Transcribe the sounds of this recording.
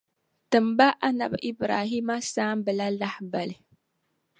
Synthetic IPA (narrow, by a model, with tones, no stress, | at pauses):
tɨ˨mba˦ʔa˦na̰˨bʔi˦bɾaː˨ɦi˦ma˦saː˦mbɨ˨la˦la˦hba˨li˨